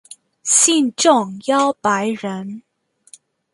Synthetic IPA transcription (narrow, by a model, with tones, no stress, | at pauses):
ɕi˥˧nʈ͡ʂʊ˥˩ŋjɑ˥ʊpa˧˥ɪɻə˧˥n